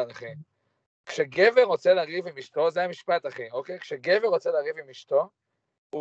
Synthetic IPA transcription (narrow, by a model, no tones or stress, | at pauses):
naχi | kʃeɡeveʁo̞t͡seleaʁivimiʃt̪o̞zeamiʃpat̪aχiokejkʃeɡeveʁʁot͡selaʁivimiʃt̪o̞ | u